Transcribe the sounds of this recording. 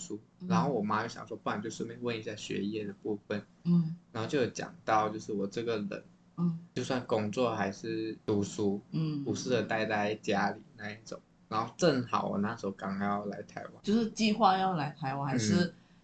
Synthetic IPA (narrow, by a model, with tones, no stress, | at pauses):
su˥ | ɻa˧˥nxo˥˩ʊwɔ˨˩ma˥jo˥ʊɕjɑ̰˨˩ŋ˩ʂwɔ˥pu˥˩wnt͡ɕjʊʂə˥me˥˩wə˥˩ni˧˥ɕja˥˩ɕɥɛ̰˧˥jɛ˥˩d̪ə˩pu˥˩fə˨˩n̩˥˩ | ɻxo˥˧ʊt͡ɕjo˥˧ʊ˧˩ʊt͡ɕjɑ̰˨˩ŋt̪ɑ˥˧ʊt͡ɕjo˥˧ʊʂɻ̩˥˩wɔ˨˩ʈ͡ʂɤ˥˩ɡə˩lə̰˨˩˦n̩˥˩ | t͡ɕjo˥˧ʊswa˥˩nkʊ˥ŋt͡swɔ˥˩xa˧˥ɪʂɻ̩˥˩t̪u˧˥ʂu˥˩u˨˥ʂɻ̩˥˩d̪ə˩t̪a˥˧ɪt̪a˥˧ɪt͡ɕja˥li˨˩˦na˥˧i˥˩ʈ͡ʂʊ̰˨˩˦ŋɻa˨˧˥nxo˥˧ʊʈ͡ʂə˥˩ŋxɑ˨˩˦ʊwɔ̰˨˩na˥˩ʂɻ̩˥xo˧˥˩kɑ˨˥ŋa˧˥jɑ˥˩ʊla˧˥ɪt̪ʰa˧˥ɪwa̰˧˦t͡ɕjo˥˧ʊʂɻ̩˥˧t͡ɕi˥˧xwa˥˧jɑ˥˩ʊla˧˥ɪt̪ʰa˧˥ɪwxa˧˥˧ʂɻ̩˥˩